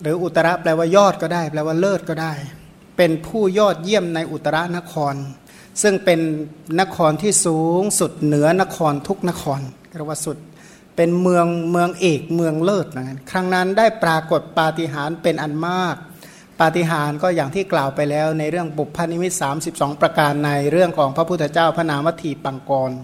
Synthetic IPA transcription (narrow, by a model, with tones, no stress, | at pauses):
ɾɯː˩˦ʔu˨˩t̪ːa˧ɾa˦˥ʔplɛː˧waː˧˩jɔː˥˩t̪̚kɔː˥˩daː˥˩jplɛː˧waː˧˥˩lɤː˥˩t̪̚kɔː˥˩daː˥˩j | pe˧npʰuː˥˩jɔː˥˩t̪̚ji˥˩əmna˧jʔu˨˩t̪ːa˧ɾa˦˥na˦˥ʔkʰɔː˧n | sɯ˥˩ŋpe˧nːa˦˥kʰɔː˧nt̪ʰiː˥˩suː˨˦ŋsu˨˩t̪̚nɯ˩˦ɐna˦˥kʰɔː˧nt̪ʰu˦˥k̚na˦˥kʰɔː˧nkɛː˧˩waː˧˩su˨˩t̪̚ | pe˧nmɯ˧əŋmɯ˧əŋʔeː˨˩k̚mɯ˧əŋlɤː˥˩t̪̚na˧˩ŋa˧˥nkʰɾa˦˥ŋna˦˥ndaː˥˩jpɾaː˧ko˨˩t̪̚paː˧t̪i˨˧˩ɦaː˩˦npe˧nʔa˨˩nmaː˥˩k̚ | paː˧˩t̪i˨˩ɦaː˩˦nkɔː˥˩jaː˨˩ŋt̪ʰiː˥˩klaː˨˩wpa˧jlɛː˦˥wna˧jɾɯ˥˩əŋbo˨˩p̚ʰːa˧nːi˧mi˦˥t̪̚saː˩˦msi˨˩p̚sɔː˩˦ŋpɾa˧kaː˧nːa˧jɾɯ˥˩əŋkʰɔː˩˦ŋpʰɾa˧˥pʰu˥˩˧t͡ɕaː˥˩wpʰa˧naː˨˩˦mwa˦˥t̪ʰːiː˧pa˨˧ŋkɔː˧n